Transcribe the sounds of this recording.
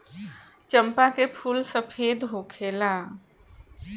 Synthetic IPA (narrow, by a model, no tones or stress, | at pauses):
t͡ʃə̃mpakepʰuːlsəpʰeːd̪ɦokʰeːlaː